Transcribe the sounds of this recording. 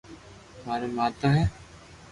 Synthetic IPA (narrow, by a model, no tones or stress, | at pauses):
maːɾeːmaːt̪aːɦɛː